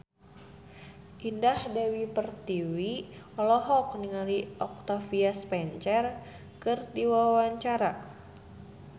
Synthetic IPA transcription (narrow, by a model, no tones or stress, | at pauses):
ʔindahdɛwipərt̪iwi | ɔlɔɦɔk̚niŋaliʔɔk̚t̪afiaspɛɲt͡ʃɛr | kɨrdiwawaɲt͡ʃaɾa